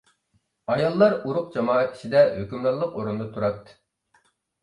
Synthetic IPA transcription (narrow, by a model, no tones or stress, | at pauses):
ɑjɑlˠːɑɾuɾʊq̚d͡ʒɑmɑːɛt̪̚kʰʲi̥ʃid̪ɛhøkʲymlˠɑɾlˠəqoɾund̪ɑt̪ʰuɾɑt̪ː